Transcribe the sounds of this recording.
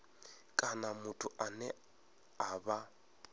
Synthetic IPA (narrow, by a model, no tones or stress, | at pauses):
kʼanamʊtʰʼʊʔanɛ | aba